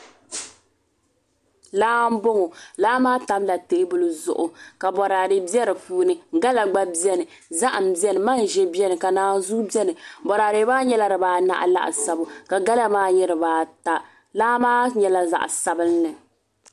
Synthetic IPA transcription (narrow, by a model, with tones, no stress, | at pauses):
laː˦m̩˦bo˦ŋo˨laː˦maː˦ta˦mla˨te˨˦bʊ˦lɨ˦zʊ̰˨ʔʊ˨ka˨bɔ˨ɾaː˨ɾɨ˨bi˦ɛ˦ɾɨ˨puː˦nɨ˦ɡa˦la˨ɡ͡ba˦bi˦ɛ˦nɨ˨ | za˦ʔa˨m̩˨bi˦ɛ˦nɨ˨ma˦n˨ʒɛ˦bi˦ɛ˦nɨ˨ka˨naː˨˦n˦zu˦bi˦ɛ˦nɨ˨bɔ˨ɾaː˨ɾɪ˨˦baː˦ɲɛ˦la˨ɾɨ˨baː˨˦na̰˦ʔa̰˨la̰˦ʔa̰˨sa˨bʊ˨ka˨ɡa˦la˦maː˦ɲɛ˦ɾɨ˨baː˨ta˦ | laː˦maː˦ɲɛ˦la˨za̰˨ʔsa˦bɨ˦lnɨ˨